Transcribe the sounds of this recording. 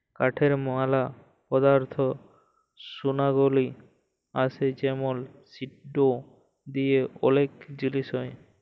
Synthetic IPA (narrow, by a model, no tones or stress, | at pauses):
kaʈʰeɾmɔɦala | pɔd̪aɾt̪ʰo | sunaɡoli | a̰sed͡ʑɛmolsiʈɖo | d̪ieɔlekd͡ʑiliʃɔe